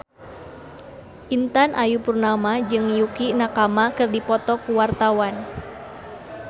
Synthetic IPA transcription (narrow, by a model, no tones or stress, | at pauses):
ʔint̪anʔajupurnamad͡ʒɨŋjukinakamakɨrdipɔt̪ɔkuwart̪awan